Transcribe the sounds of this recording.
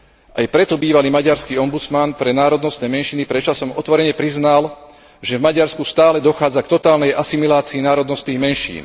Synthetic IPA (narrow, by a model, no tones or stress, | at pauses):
ʔajpɾɛt̪ɔbiːʋaliːmaɟaɾskiːɔmbut͡smanpɾɛnaːɾɔd̪nɔst̪nɛːmɛnʃinipɾɛt͡ʃasɔmɔt̪ʋɔɾɛɲɛpɾiznal | ʒɛvmaɟaɾskust̪aːlɛd̪ɔxaːd͡zakt̪ɔt̪aːlnɛjʔasimilaːt͡siːnaːɾɔd̪nɔst̪niːɣmɛnʃḭːn